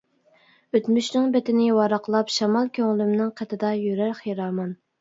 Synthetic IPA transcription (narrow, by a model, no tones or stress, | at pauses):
øt̪myʃnɪŋbɛt̪ɪnɪwɑɾɑqlˠɑpʃɑmɑlˠkʲʰøŋlymnɪŋqʰɛt̪ʰɪd̪ɑjyɾæɾχjeɾɑːmɑn